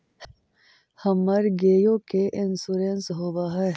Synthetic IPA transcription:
hɐməɾɡeːjõkeʔɪnsuɾeːnsɦobaɦɐ

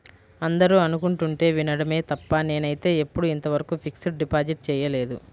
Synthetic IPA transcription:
ɐnd̪ɐɾuɐnukuɳʈuɳʈe̞ːʋinɐɽɐme̞ːt̪ɐpːɐne̞ːnɐjt̪e̞ːepːuɽuint̪ɐʋɐɾɐkuːpʰiksiʈ̚ɖipaːd͡ʒiʈ̚t͡ʃɛːjɐle̞ːd̪ṵ

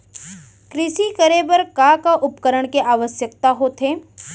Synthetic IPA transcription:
kɾɪʃikəɾebəɾkakaʔʊpkəɾəɽ̃keʔaːʋəʃjək̚t̪aɦoːt̪ʰɦeː

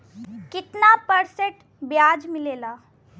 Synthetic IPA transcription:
kɪt̪napəɾseʈ | bjad͡ʒmɪleːla

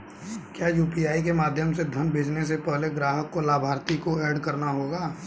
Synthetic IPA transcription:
kjaːjuːpijaːikemaːd̪ʱjəmsed̪ʱənbʱeːd͡ʒnes̬epɛɦleɡɾaːɦəkːolaːbʱaːɾt̪ikoɛːɖkɐɾnaɦoːɡaː

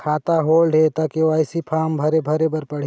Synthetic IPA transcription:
kʰaːt̪aɦoːlɖʱeːt̪akeʋaːɪsipʰaːmbʱɐɾebʱɐɾebɐɾpɐɽ̤

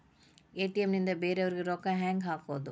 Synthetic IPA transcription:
eːʈːiɛmnɪnd̪ɐbeːɾɐʋɐɾɣɯɾɔkːaɦɛːŋɡɦaːkoːðɯ

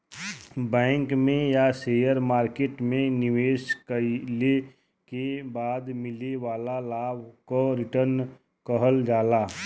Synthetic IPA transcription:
bɛ̃ːŋkmẽjaseːjəɾmaːɾkeːʈmẽnɪʋeːʃkəle | kebaːd̪mɪleʋaːlalaːbkoɾɪʈəɾn | kəɦəld͡ʒaːlaː

